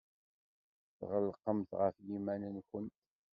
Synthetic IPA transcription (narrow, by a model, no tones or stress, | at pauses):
θʁəlːqːəmθʁəfjimænənçənt̪